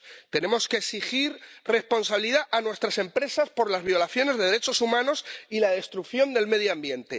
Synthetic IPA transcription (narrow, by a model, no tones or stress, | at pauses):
t̪e̞ne̞mo̞skeːsixiɾre̞spo̞nsaβiliðaʔanwe̞st̪ɾase̞mpɾe̞saspo̞ɾlazβjo̞laθjo̞ne̞zðe̞ðe̞ɾet͡ʃo̞sumãno̞silað̞e̞st̪ɾukθjo̞nd̪e̞lme̞ð̞joambje̞nt̪e̞